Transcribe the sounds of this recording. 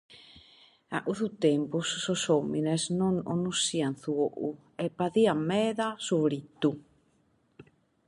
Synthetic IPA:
a̰ʔuθut̪empussosominesnono̰nusianθuoʔu | epaðiamɛðasuβɾit̪u

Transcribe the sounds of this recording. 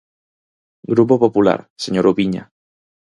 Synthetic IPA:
ɡɾup̬opopula̰ɾseɲoɾuβiɲa̰

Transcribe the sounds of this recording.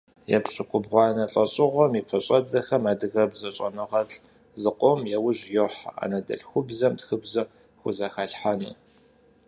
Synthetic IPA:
jɛ̰pɕʼɨkʷʼʊbʁʷɑːnɐɬʼɐɕʼɪʁʷɔmipʰɐɕʼɐd͡zɐxɐmaːdɨɣɐbzɐɕʼɐnɨʁɐɬʼ | zɨqʷʼɔmjɛwʊʑjoħaa̰ːnɐdɐ̰ɬxʷʊbzɐmtxɨbzɐ | xʷʊzaxaɬħanɨ

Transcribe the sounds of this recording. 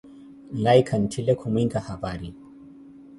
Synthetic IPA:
lajikʰɐntʰilekʰumiŋɡahabaːɾi

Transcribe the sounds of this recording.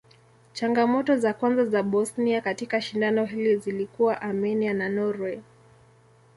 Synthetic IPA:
t͡ʃaŋɡamɔtɔzakwanzazaɓɔsniakatikaʃindanɔɦilizilikuwaʔamɛniananɔɾwɛ

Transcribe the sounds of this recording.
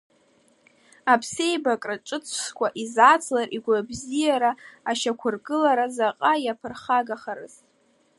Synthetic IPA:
apʰse̞jbakʼraʈ͡ʂʼɨt͡sʷʰʂkʷʰaʔizat͡sʰlarʔiɡʷabzijaɾaːʃakʷʰʊrɡɨlaɾazaqʼajapʰɨrχaɡaχaɾɨ̰ztʼ

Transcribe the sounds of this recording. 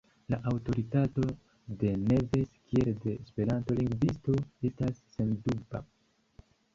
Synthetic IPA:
laʔawto̞ɾitato̞ | de̞ne̞ve̞skʰie̞lde̞spe̞ɾanto̞liŋɡvisto̞e̞stasːe̞nduba̰

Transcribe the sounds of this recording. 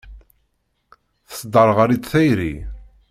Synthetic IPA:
θə̥sd̪ɑɾˤʁəɾit͡sθæjɾḭ

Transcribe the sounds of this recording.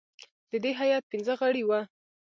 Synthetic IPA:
d̪̥əd̪eɦajɑt̪̚pinzəɣaɽiwa

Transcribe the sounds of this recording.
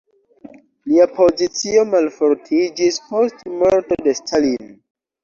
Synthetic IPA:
liapʰo̞zit͡sio̞malfoɾtʰid͡ʒispo̞stmoɾto̞de̞stʰalin

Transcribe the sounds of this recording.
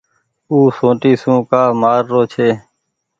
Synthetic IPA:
uːsõːʈiːsũːkaːmaːɾːoːt͡ʃʰeː

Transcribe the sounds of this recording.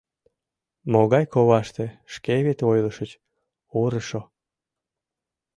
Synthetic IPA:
moɣɑjkoβɑʃt̪eʃkeβet̪ojləʃət͡ɕ | oɾəʃo

